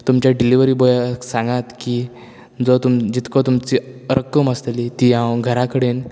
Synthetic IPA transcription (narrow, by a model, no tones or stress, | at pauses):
t̪umt͡ɕjaɖiliʋəɾiːbojaksãŋɡat̪kiː | d͡zɔt̪umd͡ʑit̪kɔt̪umt͡ɕiəɾʔəkːəməst̪elit̪iɦãwɡʱəɾakəɽen